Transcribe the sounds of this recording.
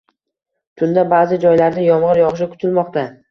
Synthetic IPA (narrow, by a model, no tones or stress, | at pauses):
t̪ʰʊnd̪abaːzɪd͡ʒɒjlaɾd̪ajɒmʁɨɾjɒʁʃ̬ɪkʰʊ̥t̪ʰɪlmɒqt̪a